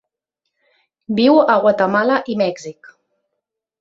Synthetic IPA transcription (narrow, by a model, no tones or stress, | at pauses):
biwəɣwat̪əmalaʔimɛɡzik